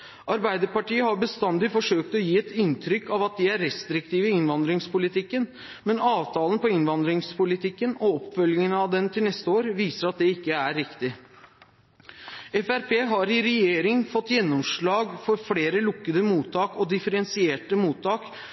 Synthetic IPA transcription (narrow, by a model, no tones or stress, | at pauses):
ʔɑɾbæɪd̪əɾpɑʈiːəhɑɾbəst̪ɑnd̪ɪfɔʂøːk̚t̪ɔjiːɛt̪ɪnt̪ʰɾʏkːɑʋɑt̪̚d̪ɪæɾɾɛst̪ɾɪk̚t̪ʰiːʋəɪɪnʋɑnd̪ɾɪŋspʊlɪt̪ʰɪkːən | mɛnɑːʋt̪ʰɑːlən̩pɔɪnʋɑnd̪ɾɪŋspʊlɪt̪ʰɪkːənɔɔpːfœlɪŋənəɑʋd̪ɛnt̪ʰɪlnɛst̪əoːɾʋiːsəɾɑt̪̚d̪ɛɪkːəæɾːɪkt̪ɪ | ɛfæɾpʰeːɦɑɾɪɾɛjeːɾɪŋfɔt̪ːjɛnːɔmʂɭɑːɡfɔɾfleːɾəlʊkːəd̪əmuːt̪ʰːɑːkɔd̪ɪfəɾɛnsɪeːʈəmuːt̪ʰːɑːk